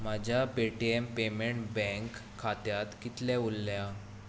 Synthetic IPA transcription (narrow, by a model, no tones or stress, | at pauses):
mad͡ʑʱjapeʈiempemeɳʈbɛ̃ŋkʰːat̪jat̪kit̪lɛulːja